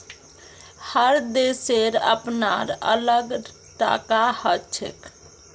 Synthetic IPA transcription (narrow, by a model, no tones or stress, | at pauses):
həɾd̪eseɾə̰pna̰ɾə̰ləɡ | ʈa̰kahət͡ʃʰḛk